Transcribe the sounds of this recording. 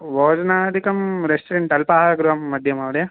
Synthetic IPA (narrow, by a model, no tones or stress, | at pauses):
ʋoːd͡ʒɐnaːd̪ikɐmɾesʈɾeɳʈɐlpaːɡɾuʋɐmːɐd̪ʱjɐmɐʋɐɽjɐ